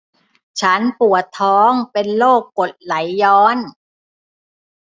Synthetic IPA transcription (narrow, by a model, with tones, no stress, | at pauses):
t͡ɕʰa˦˥npu˨˩ət̪ʰːɔː˦˥ŋpe˧nloː˥˩kːo˨˩t̪̚la˩˦jːɔː˦˥n